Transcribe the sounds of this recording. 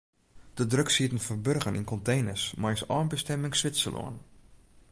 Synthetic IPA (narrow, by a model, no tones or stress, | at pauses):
d̥ədrøksiətənfərbørɣənḭnkɔntejnəsmajsɔːnbəstɛmɪŋsʋɪtsə̰lo̰ən